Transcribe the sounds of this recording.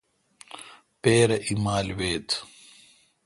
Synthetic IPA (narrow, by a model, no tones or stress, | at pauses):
peːɾɐʔimaːlweːt̪